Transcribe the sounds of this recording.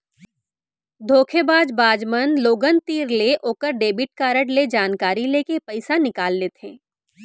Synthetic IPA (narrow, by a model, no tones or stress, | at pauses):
d̪ʱoːkʰebaːd͡ʒbaːd͡ʒmənloːɡənt̪iːɾleʔoːkəɾɖeːbɪʈ̚kaːɾəʈled͡ʒaːnkaːɾileːkepəɪsanɪkaːlːeːt̪ɦɛ̃ː